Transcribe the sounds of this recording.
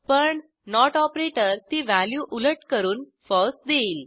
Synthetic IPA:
pəɳ | nɔʈɔpɾeʈəɾt̪iʋæljuʔuləʈkəɾuːn | fɔsd̪eiːl

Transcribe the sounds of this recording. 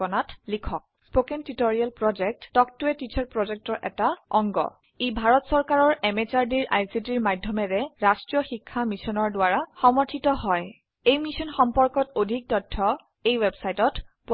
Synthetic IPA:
ɔnatlikʰɔk̚spokentitoɹialpɹɔd͡ʒɛk̚ttɔk̚tuɛtit͡ʃʰaɹpɹɔzɛk̚tɔɹʔɛ̰taɔŋɡɔ̰ | ebʱaɹɔtsɔɹkaɹɔɹɛmet͡ʃaɹdiɹʔa̰jsitiɹmadʱːɔmɛɹɛɹastɹijɔxikʰːamisɔnɔɹdʊaɹaxɔmɔɹtʰitɔɦɔj | ejmisɔnxɔmpɔɹkɔtodʱik̚tɔtʰːɔ | ejwebsajtɔtpu

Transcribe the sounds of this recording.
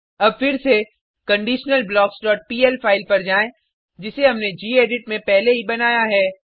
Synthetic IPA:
ɐb̚fɪɾse | kɐ̃ɳɖiːʃnəlblɔːksɖɔːʈ̚piːɛlfʰaːɪlpɐɾd͡ʒaːẽ | d͡ʒɪseɦɐmned͡ʒiːeːɖɪʈ̚mẽpɛɦleɦibɐnaːjaɦɛː

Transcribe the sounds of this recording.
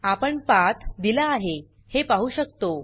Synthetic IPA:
apəɳpat̪d̪ilaːɦe | hepaɦuːɕəkt̪o

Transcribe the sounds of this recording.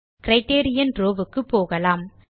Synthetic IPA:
kɪɾɐɪʈeːɾɪjɐnɾoːʋɯkːɯpːoːɣɐlaːm

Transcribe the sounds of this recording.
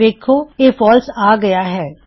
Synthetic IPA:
eːkʰoeːfɔːlsaːɡɐjaɦɛː

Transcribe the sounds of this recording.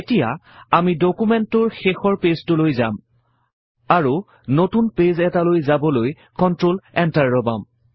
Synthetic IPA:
etija̰amidokumɛntʊɹxexɔɹpeztʊlojzam | aɹu | notunpezɛtalojzabɔloj | kɔntɹolɛntaɹːɔba̰m

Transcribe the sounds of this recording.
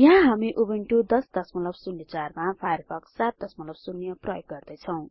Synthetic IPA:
jɦãɦamiʔubiɳʈud̪ʌsd̪ʌsmʌlʌbsunjʌt͡sarmapʰajʌrpʰʌksat̪̚d̪ʌsmʌlʌbsunːijʌprʌjɡɡʌrd̪ʌjt͡sʰʌw̃

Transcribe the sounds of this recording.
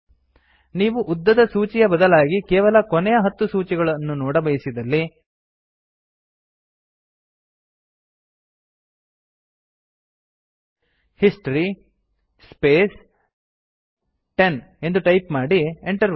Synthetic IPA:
niːʋuʔud̪ːɐd̪ɐsuːt͡ʃijɐbɐd̪ɐlaːɡikɛːʋɐlɐkonɛjɐɦɐt̪ːusuːt͡ʃiɡɐɭɐnːunɔːɽɐbɐjsid̪ɐlːi | hisʈɐɾi | speːs | ʈe̞n | e̞nd̪uʈɐjpmaːɽieɳʈɐɾ

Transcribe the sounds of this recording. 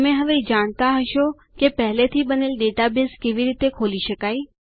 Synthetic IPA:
əmeɦəʋed͡ʒaɳ̃t̪aɦəʃo | kepəɦlet̪ʰibənelɖeʈabɪskeʋiɾit̪ekʰoliʃəkaj

